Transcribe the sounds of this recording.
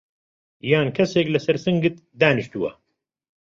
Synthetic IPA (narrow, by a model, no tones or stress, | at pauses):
jaːnkʰɐseːklɐsɐɾsɨŋɡɨt̪d̪aːnɨʃt̪uwɐ̰